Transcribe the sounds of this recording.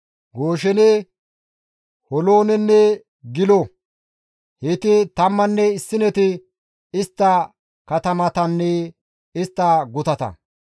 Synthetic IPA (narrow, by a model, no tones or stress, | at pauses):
ɡo̞ːʃɛnɪ | hɔlo̞ːnɛnːɛ | ɡɪlo | het̪ɪt̪ɐmːɐnːɛɪsːɪnɛt̪ɪ | ɪst̪ːɐ | kɐt̪ɐmɐt̪ɐnːɛ | ɪst̪ːɐɡʊt̪ɐt̪ɐ̰